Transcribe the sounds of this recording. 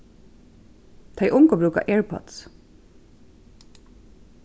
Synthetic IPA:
t̪ʰeɪʔʊŋkɔbɾʉːka̰ʔeːɹpʰɔ̰t̪s

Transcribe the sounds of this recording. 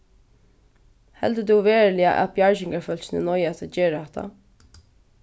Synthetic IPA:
hɛ̰lt̪əd̪uʋeːɹlɪa̰ʔæ̰bjaɹʃɪŋkaɹfœlʃɪnənɔjɛt̪ʰad͡ʒeːɹɛht̪a̰

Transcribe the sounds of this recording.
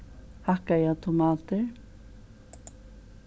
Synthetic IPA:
hahkajat̪ʰʊmat̪e

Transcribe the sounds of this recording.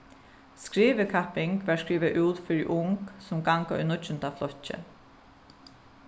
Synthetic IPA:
skɹiːʋɪkʰapɪŋkʋæɹskɹiːʋaʔuːt̪fɪɹiʔʊŋksʊmɡaŋkaʔʊ̰jnʊɪnt̪aflɔht͡ʃːə̰

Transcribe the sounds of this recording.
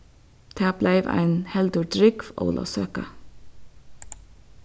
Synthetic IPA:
d̪̥ʰæːb̥læɪʋæ̰ɪnhɛld̪uːd̪ɹʏɡʋo̰ːlʔo̰ːsøːkɑ

